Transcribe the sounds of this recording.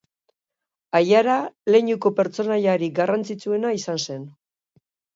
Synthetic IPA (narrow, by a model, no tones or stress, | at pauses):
ajaɾale̞ɲuko̞pe̞ɾt͡so̞naʎaɾiɡarant͡sit͡sue̞naisanse̞n